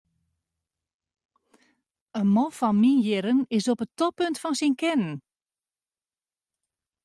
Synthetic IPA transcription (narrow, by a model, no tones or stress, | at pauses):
ənmɔfɔnminjɪɾənɪsɔpətɔpɵntfɔnsinkɛnən